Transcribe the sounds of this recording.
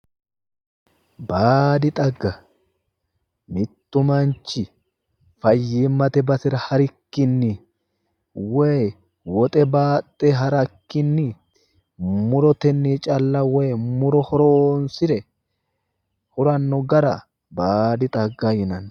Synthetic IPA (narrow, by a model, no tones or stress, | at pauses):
baːd̪ɪt̪ʼɐɡːɐ | mɪt̪ːʊmɐnt͡ʃːɪ | fɐjːiːmːɐt̪ɛbɐsɪɾɐhɐɾɪkːɪnːɪ | wɔj | wɔt̪ʼɛbaːt̪ʼːeɦɐɾɐkːɪnːɪ | mʊɾɔt̪ɛnːiːt͡ʃʼɐlːɐwɔjmʊɾɔhɔɾoːnsɪd̪ɛ | hʊɾɐnːɔɡɐɾɐ | baːd̪ɪt̪ʼɐɡːɐjɪnɐn